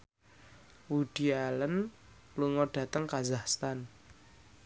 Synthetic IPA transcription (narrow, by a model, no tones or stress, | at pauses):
wuɖ̥ialən | luŋɔɖ̥ä̤t̪əŋkazahst̪an